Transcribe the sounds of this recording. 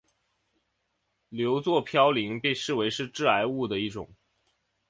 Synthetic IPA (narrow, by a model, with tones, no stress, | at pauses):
ljo˧˥ʊt͡swɔ˥˩pʰjɑ˥ʊli˧˥ŋpe˥˧ʂɻ̩˥˩we˧˥ɪʂɻ̩˥˧ʈ͡ʂɻ̩˥˩a˧˥ɪu˥˩d̪ə˩i˥˩ʈ͡ʂʊ̰˨˩˦ŋ